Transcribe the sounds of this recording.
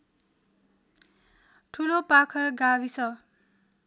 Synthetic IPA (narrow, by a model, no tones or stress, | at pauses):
ʈʰulopakʰʌrɡabisʰʌ